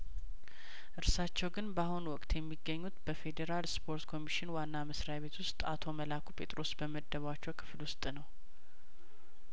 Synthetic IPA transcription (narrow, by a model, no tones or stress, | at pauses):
ʔɨɾsat͡ʃːɛwɡɨnbahunwɔkʼt̪jɛmːiɡːəɲːut̪b̥əfe̞d̪eɾalspʰo̞ɾt̪kʰo̞miʃɪnwanːaməsɾajaβe̞t̪wʊst̪ʼa̰t̪ʰo̞məlakʰupʰe̞t̪ʼɾo̞sbəməd̪ːəβat͡ʃːɛwkʰɨ̥flwʊst̪ʼnəw